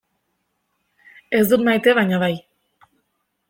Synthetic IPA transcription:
e̞zd̪ut̪majt̪e̞βajɲaβaj

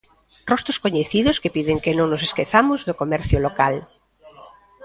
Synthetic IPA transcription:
rɔst̪ɾʊskoɲeθiðʊskepiðeŋkenõŋnʊseskeθamʊzðokomɛɾθjʊlokal

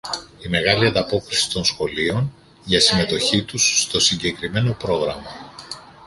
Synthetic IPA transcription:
ime̞ɣɐliɐnd̪ɐpo̞kɾisi̥t̪o̞nsxo̞lio̞n | ʝɐsime̞t̪o̞çit̪ust̪o̞siɲɟe̞kɾime̞no̞pɾo̞ɣɾɐmɐ

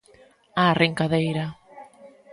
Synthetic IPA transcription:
arʔeŋkaðejɾa

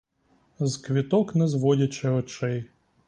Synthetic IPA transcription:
zkʋʲit̪ɔknɛzʋɔdʲɐt͡ʃɛɔt͡ʃɛj

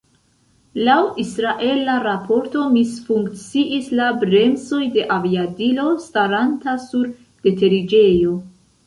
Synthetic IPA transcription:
lawisɾaʔe̞laɾapʰo̞ɾto̞misfuŋkt͡siʔislabɾe̞nzo̞jde̞ʔaviadilo̞staɾantasuɾ | d̥e̞te̞ɾid͡ʒe̞jo̞

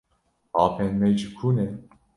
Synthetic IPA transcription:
ɑːpʰɛnmɛjd͡ʒikʰuːnɛ

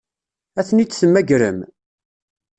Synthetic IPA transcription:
æθənit͡sːsəmːæɡɾə̰m

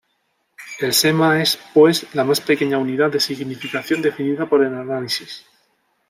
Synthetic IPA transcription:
e̞lse̞mae̞spwe̞zlamaspe̞ke̞ɲauniðaðe̞siɣnifikaθjo̞nd̪e̞finiðapo̞ɾe̞lanalisis

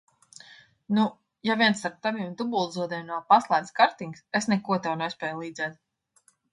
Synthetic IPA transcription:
nu | javʲiɛnst̪aɾp̚t̪aviːmd̪ubuːlˠzuɔd̪ɛmnɔpaslˠajd̪skaɾt̪iŋɡsesnɛkuɔt̪ɛwnɛsʲpʲɛːjlˠiːd̪zʲɛːt̪̚

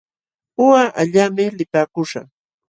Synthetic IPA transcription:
ʊwaʔaʎaːmɪlɪpaːkʊʃa̰

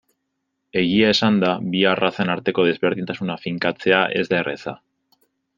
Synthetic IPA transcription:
e̞ɣ̞iaesand̪aβiarasenaɾt̪e̞ko̞ð̞e̞zβe̞ɾðint̪asunafiŋkat͡se̞aʔe̞̰zd̪are̞̰sa̰

